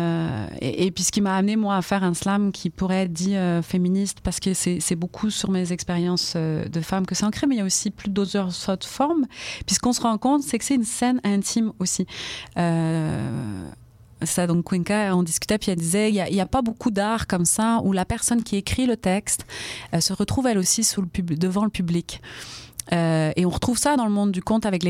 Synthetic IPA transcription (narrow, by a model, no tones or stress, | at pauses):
ḛʔepɥisə̥kʲimaːmnemwaːfɛʁɛ̃slamkʲʰipuʁɛɛt̪d̪iøfeminist̪paʁsə̥kəsɛsɛbokʰusyʁmezɛkspeʁjɑ̃sød̪əfamkəsɛɑ̃kχemɛiljaosiplyd̪ozœʁsɔt̪fɔʁmpɥisə̥kɔ̃səʁɑ̃kɔ̃t̪sɛkə̥sɛt̪ynsɛnɛ̃t̪ʰimosiø | ssad̪ɔ̃kːwɛ̃ŋkaɔ̃d̪iskʲy̥t̪ɛpɥiɛld̪izɛiljaʔiljapabokʰud̪aʁkɔmsaulapɛʁsɔnkʲiekχilət̪ɛkst̪øsəʁət̪χuvɛlosisuʁləpybd̪əvɑ̃ləpyblik | øeɔ̃ʁət̪χuvsad̪ɑ̃ləmɔ̃d̪ːykɔ̃t̪avɛkle